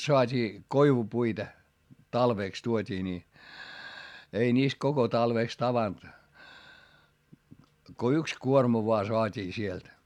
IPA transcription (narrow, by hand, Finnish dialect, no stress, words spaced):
soɑtʲiː koiʋupuitɑ tɑlʋeˑks tuotʲiː ni ei niːst koko tɑlʋeˑks tɑʋɑnt ko yks kuormɑ ʋoɑ soɑtʲiː sielt